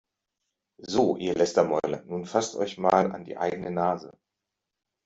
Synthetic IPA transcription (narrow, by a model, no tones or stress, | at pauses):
zoːʔḭːɐlɛstɐmɔʏlɐ̰nuːnfastʔɔ̰ʏçmaːla̰ndḭːʔa̰ɪɡənənaːzə̰